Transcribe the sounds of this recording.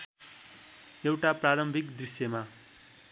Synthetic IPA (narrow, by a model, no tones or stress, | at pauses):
ewʈapraɾʌmbʱikd̪risjʌma